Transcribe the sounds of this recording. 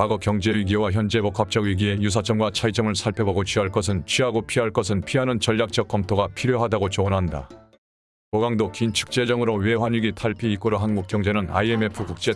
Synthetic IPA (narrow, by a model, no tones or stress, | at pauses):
paɡʌkjʌŋd͡ʑe̞ɥiɡiwaçjʌnd͡ʑe̞bok͈ʰap̚t͡ɕ͈ʌɡɥiɡie̞jus̬ʰat͡ɕ͈ʰʌmɡwat͡ɕʰait͡ɕ͈ʌmɯɭsʰaɭpʰeboɡot͡ɕʰɥiɦaɭk͈ʌs̬ʰɯnt͡ɕʰiɦaɡopʰiɦaɭk͈ʌsʰɯnpʰiɦanɯnt͡ɕʌʎjak̚t͡ɕ͈ʌk̚k͈ʌmtʰoɡapʰiɾjoɦadaɡot͡ɕonɦanda̰ | poɡaŋdokint͡ɕʰɯ̥k̚t͡ɕ͈e̞d͡ʑʌŋɯɾowe̞ɸwaɲiɡitʰaɭpʰiːk͈oɾoɦanmok͈jʌŋd͡ʑe̞nɯna̰ie̞me̞pʰukuk̚t͡ɕ͈e̞